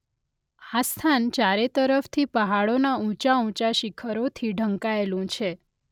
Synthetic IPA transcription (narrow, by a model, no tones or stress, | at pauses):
ast̪ʰant͡ʃaɾet̪əɾəft̪ʰipəɦaɭonaũt͡ʃaũt͡ʃaʃikʰəɾot̪ʰiɖʱəŋkaelũt͡ʃʰe